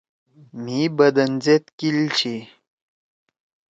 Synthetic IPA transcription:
mibəd̪ɐnzet̪kilt͡ɕʰi

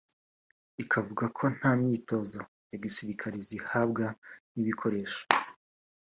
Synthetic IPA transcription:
ikʰavuɡakʰo̞n̥haːmɲiːto̞za | jaɡisiɾikʰaɾizihab̚ɡaniβikʰo̞ɾe̞ːʃo̥

